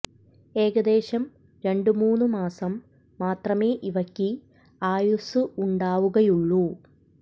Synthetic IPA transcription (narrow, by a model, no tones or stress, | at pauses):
e̞ːɣɐd̪e̞ːɕɐm | ɾe̞ɳɖumuːnːumaːsɐmː | aːt̪rɐme̞ːʔiʋɐkʲːi | aːjusɨuɳɖaːʋuɣɐjuɭːu